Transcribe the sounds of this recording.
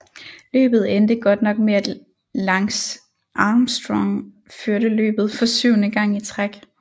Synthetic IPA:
lø̰ːb̥ð̞̩ˠend̥əɡ̥ɒ̽d̥nɒ̽ɡ̥meæd̥ | lɑ̈ŋs | ʔɑːmsd̥ʁɒŋ | føɐɾəlø̰ːb̥ð̞̩ˠfɒ̽syʊnəɡ̥ɑ̈ŋ̰it͡sʰʁaɡ̥

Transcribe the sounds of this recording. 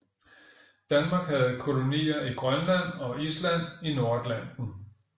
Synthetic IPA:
d̥ænmɑ̈ːɡ̥hæð̞̩ˠkʰo̝lo̝nḭːɐiɡ̥ʁɶnlæn̰ɒ̽islæn̰ino̝ɐd̥læn̰d̥n̩

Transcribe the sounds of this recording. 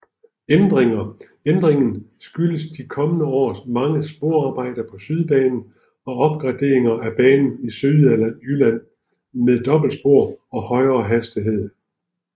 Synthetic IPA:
end̥ʁeŋɐ | end̥ʁeŋn̩sɡ̥yləsd̥ikʰɒ̽mənəɒ̰ːsmɑ̈ŋəsb̥o̝ɐ̰ɑ̈ːb̥ɑ̈ɪ̰d̥ɐpʰɒ̽syð̞ˠb̥ɛːnn̩ | ɒ̽ɒ̽b̥̚ɡ̥ʁɑ̈d̥e̝̰ɐeŋɐæb̥ɛːnn̩isyðˠælæn̰ylæn̰ | meðˠd̥ɒ̽b̥l̩d̥sb̥o̝ɐ̰ɒ̽hɒ̽ɪɐːɦæsd̥iɦe̝ð̞̰ˠ

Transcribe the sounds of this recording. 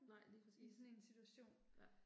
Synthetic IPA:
nɑ̈ɪ̰lipʰsisɔne̝nsit͡sʰuæɕo̝̰ːn

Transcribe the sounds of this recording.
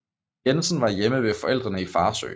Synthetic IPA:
jensən̩ʋɑ̈jeməʋe̝fɒ̽ʔel̰d̥ʁɐnəifɑ̈ːsø̰ː

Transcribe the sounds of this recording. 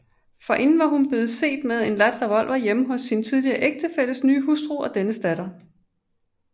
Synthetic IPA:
fɒ̽ʔe̝nn̩ʋɑ̈ɦunb̥le̝ːð̩ˠse̝̰ːd̥með̞ˠe̝nlæd̥̚ʁ̥æʋɒ̽l̰ʋɐjeməɦɔ̽sːint͡sʰið̞ˠliɐːʔeɡ̥̚d̥əfeləsnyːɦusd̥ʁuːɒ̽d̥enəsd̥æɾ̥ɐ

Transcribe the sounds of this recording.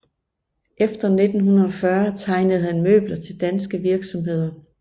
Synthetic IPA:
ʔefd̥ɐne̝d̥n̩ɦunɐɒ̽fɶɐt͡sʰɑ̈ɪnəð̞̩ˠhænmø̰ːb̥lɐt͡sʰe̝ld̥ænsɡ̥əʋiɐɡ̥sɒ̽mɦe̝ð̞̰ˠɐ

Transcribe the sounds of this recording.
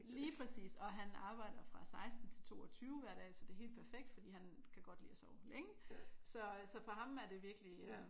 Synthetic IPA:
liːpʰʁɛsḭːsɒ̽ɦænɑ̈ːb̥ɑ̈ɪ̰d̥ɐfʁɑ̈sɑ̈ɪsd̥n̩t͡sʰe̝lt͡sʰo̝̰ːɒt͡sʰyːʊʋæɐ̰ɾɛ̰ːsɒ̽d̥e̝ɐɦe̝̰ːld̥pʰæɐfeɡ̥̚d̥fɒd̥ḭːhænkʰæɡ̥ɒ̽d̥lḭːsɒʊleŋəsɒ̽sɒ̽fɒ̽ɦɑ̈mæɐd̥e̝ʋiɐɡ̥liø

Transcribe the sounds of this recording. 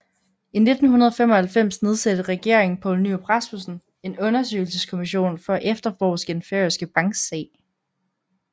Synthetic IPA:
ine̝d̥n̩hunɐð̞̩ˠfem̰ɒ̽hælfem̰sne̝ð̞ˠsed̥əʁɛɡ̥e̝ɐ̰eŋn̩pʰɒ̰ʊlnyb̥ʁɑsmusn̩ | e̝nɔ̽nɐs̬ø̰ɪl̩səskʰo̝miɕo̝̰ːnfɒ̽ʔefd̥ɐfɒ̰ːsɡ̥enfeɐisɡ̥əb̥ɑ̈ŋɡ̥sɛ̰ː

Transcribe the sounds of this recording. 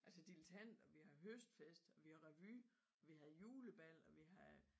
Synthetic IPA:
ʔælsəd̥ilət͡sʰæn̰d̥ɒ̽ʋihɑ̈ɦøsd̥fesd̥ɒ̽ʋihɑ̈ʁɛʋy | ɒ̽ʋihæð̩ˠjuːləb̥æl̰ɒ̽ʋiɦɑ

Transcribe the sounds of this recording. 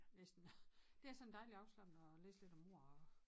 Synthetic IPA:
nesd̥n̩d̥e̝æɐsɒ̽n̩d̥ɑ̈ɪliɑ̈ʊslɑb̥nəɒlḛːsle̝d̥ɒ̽mo̝ɐ̰ɒ

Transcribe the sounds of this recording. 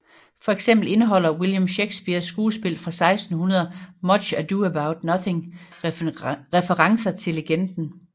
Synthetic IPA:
fɒ̽eɡ̥sem̰b̥l̩e̝nəɦɒ̽l̰ɐwiljɐmɕeɡ̥sb̥iɐsːɡ̥uːsb̥e̝l̰fʁɑ̈sɑ̈ɪsd̥n̩hunɐðˠɐmɒ̽d̥ɕæd̥uəbäʊd̥nʌθɪ̝ŋ | ʁɛfəʁɑ̈ŋsɐt͡sʰe̝leɡ̥end̥n̩

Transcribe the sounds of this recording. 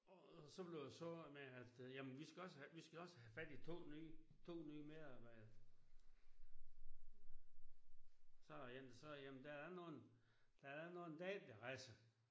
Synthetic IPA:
ɒsɒ̽b̥le̝ʊd̥æsɔmeæd̥jæmənʋisɡ̥æɒ̽səʋisɡ̥æɒ̽səhæfæd̥it͡sʰo̝̰ːnyː | t͡sʰo̝̰ːnyːme̝ðˠɑ̈ːb̥ɑ̈ɪ̰d̥ð̩ˠ | sɒ̽jend̥sɒ̽jæmnd̥æɐdæno̝ːn̩ | d̥ææɐ̥æno̝ːn̩d̥ɛ̰ːd̥d̥eʁasə

